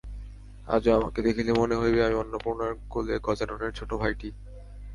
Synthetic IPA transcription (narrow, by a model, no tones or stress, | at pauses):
a̰d͡ʑoama̰ked̪ekʰilemoneɦojbeamiɔnːopuɾnaɾɡoleɡɔd͡ʑanoneɾt͡ɕʰoʈobʱajʈi